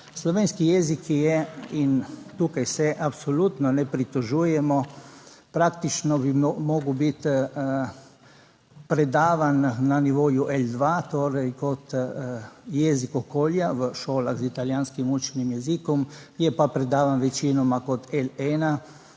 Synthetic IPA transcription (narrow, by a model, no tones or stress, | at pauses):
slɔʋeːnskijɛzikjɛint̪uːkajsɛʔapsɔlut̪nɔnɛpɾit̪ɔʒuːjɛmɔpɾakt̪it͡ʃnɔbimɔːɡwbit̪ | pɾɛd̪aːʋanːaniʋoːjuʔɛld̪ʋat̪oːɾɛjkɔt̪ | jɛːzikɔkoːljaʋəʃoːlaɣzit̪aljaːnskimut͡ʃɛnimjɛzikɔmjɛpapɾɛd̪aːʋanʋɛt͡ʃinɔmakɔt̪ɛlɛːna